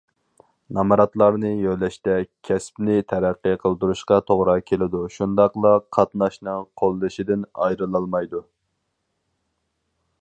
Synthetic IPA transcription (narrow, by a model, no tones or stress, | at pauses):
nɑmɑɾɑt̪lˠɑɾnɨjølɛʃt̪ɛkʲʰɛspnɪt̪ʰɛɾæqːəqʰəlˠd̪uɾuʃqɑt̪ʰoʁɾɑkʲʰelɪd̪uʃund̪ɑqlˠɑqʰɑt̪nɑʃnɨŋqʰolˠːɨʃid̪ɪnɑ̰jɾɨlˠɑlˠmɑjd̪u